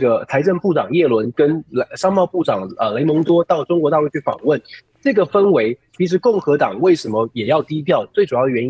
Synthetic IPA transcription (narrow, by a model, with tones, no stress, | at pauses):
ɡə˩t͡sʰa˧˥ɪʈ͡ʂə˥˧npu˥˩ʈ͡ʂɑ˨˩ŋjɛ˥˩lwə˧˥nkə˥nʂɑ˥ŋmɑ˥˧ʊpu˥˩ʈ͡ʂɑ˨˩ŋə˩le˧˥ɪmo˧˥ŋt̪wɔ˥t̪ɑ˥˩ʊʈ͡ʂʊ˥ŋkwɔ˧˥t̪a˥˧lu˥˧t͡ɕʰy˥˩fɑ̰˨˩ŋwə˥˩n | ʈ͡ʂɤ˥˩ɡə˩fə˥nwe˧˥ɪt͡ɕʰi˧˥ʂ̬ɻ̩˧˥kʊ˥˩ŋxɤ˧˥t̪ɑ˨˩ŋwe˥˩ɪʂə˧˥nmə˧jɛ˨˩jɑ˥˩ʊt̪i˥pʰjɑ˥˩ʊt͡swe˥˩ɪʈ͡ʂu˨˩jɑ˥˩ʊə˩ɥɛ˧˥ni˥